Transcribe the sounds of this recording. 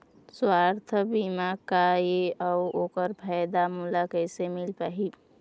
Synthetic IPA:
swaɾt̪ʰəbimakajeəokəɾpʰəjd̪amulakəjsemilpaɦi

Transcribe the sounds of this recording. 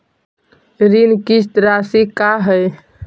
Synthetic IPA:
ɾinkis̬t̪ɾasikaɦəj

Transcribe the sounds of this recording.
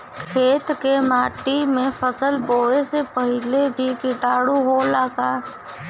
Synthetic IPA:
kʰeːt̪kemaːʈimẽpʰəsəlboːesepəɦɪlebʱikɪʈaːɽuɦolaːɡaː

